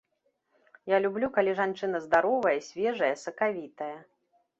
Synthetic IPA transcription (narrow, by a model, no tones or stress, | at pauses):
jalʲublʲukalʲiʐant͡ʂɨnɐzd̪aɾɔvɐjɐsʲvʲɛʐɐjɐsɐkavʲit̪ɐjɐ